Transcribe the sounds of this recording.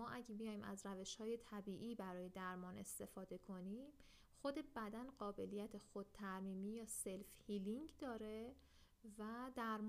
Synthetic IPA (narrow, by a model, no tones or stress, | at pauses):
ɒːʔæɟebijɒːjiːmæ̰zɾæve̞ʃhɒːje̞t̪ʰæbiːʔiːbæɾɒːje̞d̪æɾmɒːne̞st̪e̞fɒːd̪e̞kʰo̞niːm | xo̞d̪e̞bæd̪ænɢɒːbe̞lijæt̪ʰexod̪̚t̪ʰæɾmiːmiːjɒːselfhiliŋɟd̪ɒːɾe̞ | væd̪æɾm